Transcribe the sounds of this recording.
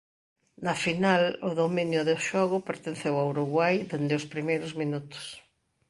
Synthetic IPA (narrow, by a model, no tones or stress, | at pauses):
nɐfinalʊðomĩnjʊðʊʃɔɣ̞ʊpeɾt̪ẽnθewawɾuɣwajðend̪ɪʊspɾimejɾʊzminut̪ʊ̥s